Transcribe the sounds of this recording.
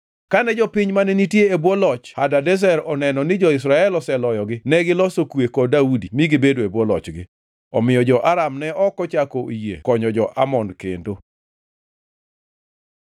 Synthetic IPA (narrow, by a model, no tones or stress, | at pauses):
kanɛd͡ʒɔpɪɲmanɛnitjeebwɔlɔt͡ʃhadadɛs̬ɛɾɔnɛnɔnɪd͡ʒɔɪs̬ɾaɛlɔsɛlɔjɔɡɪnɛɡɪlɔsokwekɔdaudimiɡɪbedoebwɔlɔ̰t͡ʃɡɪ̰ | ɔmɪjɔd͡ʒɔʔaɾamnɛʔɔkɔt͡ʃakoijḛkɔɲɔd͡ʒɔʔa̰mɔnkḛndo